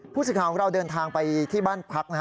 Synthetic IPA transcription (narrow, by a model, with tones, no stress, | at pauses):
pʰuː˥˩sɯ˨˩kʰaː˨˦kʰɔ˩˦ŋɾa˧wdɤː˧nt̪ʰaː˧ŋpa˧jt̪ʰiː˥˩baː˥˩npʰa˦˥k̚na˧